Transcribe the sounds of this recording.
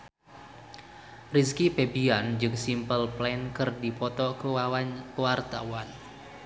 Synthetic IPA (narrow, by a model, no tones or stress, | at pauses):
riskipebiand͡ʒɨŋsimpəlplɛnkərdipɔt̪ɔkəwawaɲwart̪a̰wan